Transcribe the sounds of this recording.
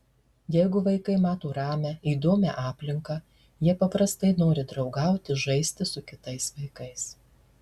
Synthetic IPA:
jɛɪɡʊʋɐɪkɐɪmɑːt̪oːɾɑːmʲɛiːd̪oːmʲɛ̰ʔɑːpʲlʲɪŋkɑ | jiɛpɐpɾɐst̪ɐɪnoːɾʲɪd̪ɾɒʊɡɐˑʊt̪ʲɪʒɐɪsʲt̪ʲɪsʊkʲɪt̪ɐɪsʋɐɪkɐɪs

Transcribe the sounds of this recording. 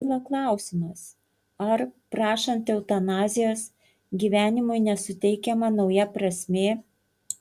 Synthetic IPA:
lˠɐklˠɑˑʊsʲɪmɐs | ɐɾpɾɑːʃɐnt̪ɛʊt̪ɐnɑːzʲɪjoːs | ɡʲiːʋʲæːnʲɪmʊɪnʲɛsʊt̪ʲɛɪkʲɛmɐnɒʊjɛpɾɐsʲmʲeː

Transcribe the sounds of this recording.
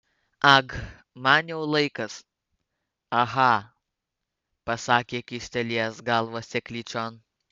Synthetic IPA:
ɐɡ | mɑnjɛʊlˠɐɪkɐs | ɐɦɐ | pɐsɑːkʲeːkʲɪsʲt̪ʲɛlʲiɛsɡɐlˠʋoːsʲɛkʲlʲiːt͡ʃʲɔn

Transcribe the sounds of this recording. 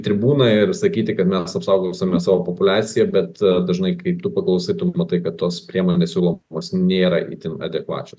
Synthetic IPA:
t̪ʲɾʲɪbuːnɐɪrsɐkʲiːt̪ʲɪkɐt̪mʲɛsɐpsɐʊɡosʲɐmʲɛsɑːʋoːpopʊlʲæːsʲɪjɛbʲɛt̪d̪ɐʒnɐɪkɐɪpt̪uːpɐklˠɐʊsɐɪt̪ummɐt̪ɐɪkɐt̪t̪ːoːspʲɾʲiɛmoːnʲɛsʲuːlˠoːmoːsnʲeːɾɐʔḭt̪ʲɪnɐ̰d̪ʲɛkʋɑ̰ːt͡ʃʲos

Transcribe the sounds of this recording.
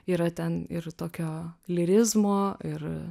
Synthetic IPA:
iːɾɐt̪ʲɛnɪ̰ɾt̪oːkʲoːlʲɪɾʲɪzmoːɪɾ

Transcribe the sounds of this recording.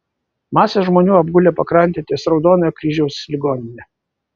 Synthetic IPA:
mɑːsʲeʒmoːnʲuːɐbɡʊlʲeːpɐkɾɐnʲt̪ʲeːt̪ʲeːsɾɒʊd̪oːnɐjkɾʲiːʒʲɛʊslʲɪɡoːnʲɪnʲɛ

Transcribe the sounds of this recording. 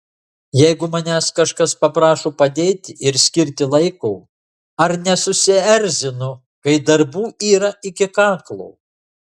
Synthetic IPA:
jɛɪɡʊmɐnʲæːskɐʃkɐspɐpɾɑːʃoːpɐd̪ʲeːt̪ʲɪʔɪɾsʲkʲɪɾʲt̪ʲɪlˠɐɪkʊː | ɐɾnʲɛsʊsʲɪɛɾʲzʲɪnʊ | kɐɪd̪ɐɾbuːʔiːɾɐʔɪkʲɪkɑːklˠoː

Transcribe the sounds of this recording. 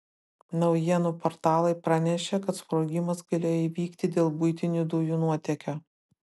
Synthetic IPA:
nɐʊjiɛnupɔɾt̪ɑːlˠɐɪpɾɑnʲɛʃʲekɐt̪spɾoːɡʲɪmɐsɡɐlʲeːjoiːʋʲiːkt̪ʲɪd̪ʲeːlˠbʊɪt̪ʲɪnʲud̪ʊjuːnuɔt̪ʲɛkʲo

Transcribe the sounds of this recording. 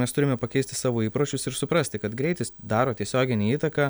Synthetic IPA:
mʲɛst̪ʊɾʲɪmʲɛpɐkʲɛɪsʲt̪ʲɪ̥sɑːʋoːiːpɾoːt͡ʃʲʊsɪɾsʊpɾɐsʲt̪ʲɪkɐt̪ɡɾʲɛɪt̪ʲɪsd̪ɑːɾoːt̪ʲiɛsʲoːɡʲɪnʲiːiːt̪ɐkɑː

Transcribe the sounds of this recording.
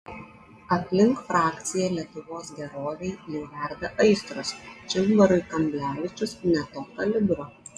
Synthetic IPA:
ɐpʲlʲɪŋkfɾɑːkʲt̪sʲɪjɛlʲiɛt̪ʊʋoːsɡʲɛɾoːʋʲɛɪjɛʊʋʲɛˑɾʲˑd̪ʲɛʔɐɪst̪ɾɔst͡ʃʲɪlbɐɾʊɪkɐmʲbʲlʲæːʋʲɪt͡ʃʲʊsnʲɛt̪oːkɐlʲɪd̪ʊɾo

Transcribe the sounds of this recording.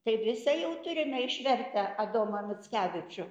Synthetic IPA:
t̪ɐɪʋʲɪsɐjɛʊt̪ʊɾʲɪnʲɐɪʃʲʋʲɛrʲt̪ɐɐd̪oːmɐnʊtt͡sʲkʲæːʋʲɪt͡ʃʲʊ

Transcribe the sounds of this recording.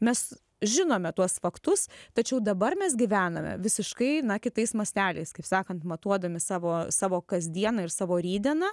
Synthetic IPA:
mʲɛs | ʒʲɪnoːmʲɛt̪uɔsfɐkt̪ʊst̪ɐt͡ʃʲɛʊd̪ɐbɐrmʲɛs̬ɡʲɪʋʲæːnɐmʲɛ̰ʋʲɪsʲɪʃkɐɪnɐkʲɪt̪ɐɪsmɐsʲt̪ʲæːlʲɛ̰ɪskɐɪpsɑːkɐnt̪mɐt̪uɔd̪ɐmʲɪsɑːʋoːsɑːʋoːkɐzʲd̪ʲiɛnɐɪɾsɑːʋoːɾʲiːd̪ʲɛnɐ

